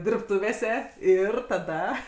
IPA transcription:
dʲɪrpˈtʊʋʲeːsʲɛ ˈɪr tɐˈdɐ

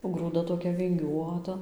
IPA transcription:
oː ɡruːˈdɐ toːˈkʲɛ ʋʲɪŋʲˈɡʲuɔtɐ

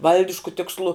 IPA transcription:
ˈʋɐlʲdʲɪʃkʊ tʲɪksˈlˠʊ

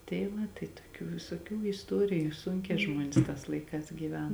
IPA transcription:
tʲɛɪ ˈʋɐ tɐɪ toːˈkʲuː ʋʲɪsoːˈkʲuː ɪsˈtoːrʲɪjʊ ˈsʊŋʲkʲɛː ˈʒmuɔnʲeːs tɑːs ˈlˠɐɪˌkɑːs ɡʲiːˈʋʲɛn

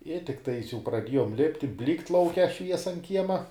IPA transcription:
ɪ tʲɪkˈtɐɪs jɛʊ prɐˈdʲiɛjoːm ˈlʲɪpʲtʲɪ ˈbʲlʲiːkt lˠɐʊˈkʲɛ ˈʃʲʋʲiɛsɐ ɐn ˈkʲiɛmɐ

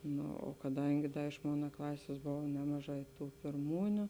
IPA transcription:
ˈnoː oː kɐˈdɐŋʲɡʲɪ ˈdɐ ɪʃ ˈmoːnɐ ˈklˠɑːsʲeːs ˈboːʋɐ ˈnʲæːmɐˌʒɑː ɪ ˈtuː pʲɪrˈmuːnʲʊ

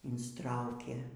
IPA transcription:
ɪnsˈtrɐʊkʲeː

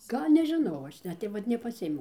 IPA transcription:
ˈɡɐlʲ nʲɛʒʲɪˈnɐʊ ˈɐʃ ˈnʲɛt tɐɪ ˈʋɐt nʲɛpɐˈsʲɪeːmʲɛʊ

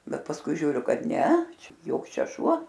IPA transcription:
ˈbʲɛt pɐsˈkʊɪ ʒʲuːˈrʲʊ ˈkɐt ˈnʲɛ ˈt͡ʃʲɛ ˈjoːks ˈt͡ʃʲɛ ˈʃuɔ

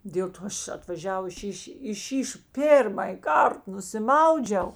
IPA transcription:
dʲeːlˠ ˈtoː ˈɐʃ ɐtʋɐˈʒʲæːʋʊs ˈʃʲiːʃʲ ɪ ʃʲiːʃ ˈpʲeːrmɐj ˈkɐrt nʊsʲɪˈmɐʊd͡ʒʲɛʊ

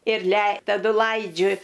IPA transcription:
ɪr lʲɛɪ tɐˈdʊ ˈlˠɐɪd͡ʒʲʊ

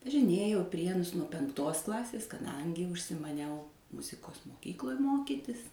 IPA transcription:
ʋɐʒʲɪˈnʲeːjɛʊ ɪ ˈpʲrʲiɛnʊs nuɔ pʲɛŋkˈtoːs ˈklˠɑːsʲeːs kɐˈdɐŋʲɡʲɪ ʊʃʲsʲɪmɐˈnʲɛʊ ˈmʊzʲɪkoːs moːˈkʲiːklˠoːj ˈmoːkʲiːtʲɪs

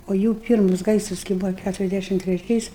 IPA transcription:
oː ˈjuː ˈpʲiːrmʊs ˈɡɐɪsrɐs kɐɪ ˈbuːʋoː ˈkʲætʊrʲɛzʲˌdʲæʃʲɪm tʲrʲɛˈt͡ʃʲɛɪs

